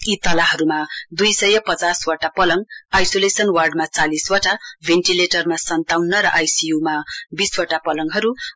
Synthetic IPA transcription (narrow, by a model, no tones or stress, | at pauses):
it̪ʌlaɦʌɾumad̪ujsʌjʌpʌt͡saswʌʈapʌlʌŋajsolesʌnwarɖmat͡saliswʌʈabʱenʈileʈʌrmasʌnt̪awnːʌɾʌʔajsijumabiswʌʈapʌlʌŋɦʌɾu